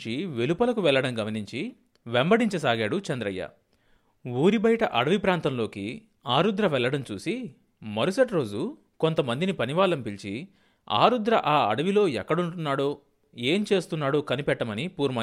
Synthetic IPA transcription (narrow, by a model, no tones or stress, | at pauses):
t͡ʃiʋe̞lupɐlɐkuʋɛlːɐɽɐmɡɐmɐniɲt͡ʃi | ʋembɐɽiɲt͡ʃɐsaːɡaːɽut͡ʃɐnd̪ɾɐjːɐ̰ | uːɾibɐjʈɐʔɐ̰ɽɐʋipɾaːnt̪ɐmlo̞ːki | aːɾud̪ɾɐʋɛɭːɐɽɐmt͡ʃuːsi | mɐɾusɐʈɾo̞ːd͡ʒu | ko̞nt̪ɐmɐnd̪inipɐniʋaːlɐmpilt͡ʃi | a̰ːɾud̪ɾɐʔaːɐɽɐʋilo̞ːɛkːɐɽuɳʈunːaːɽoː | e̞ːmt͡ʃe̞ːst̪unːaːɽoːkɐnipɛʈːɐmɐnipuːɾmɐ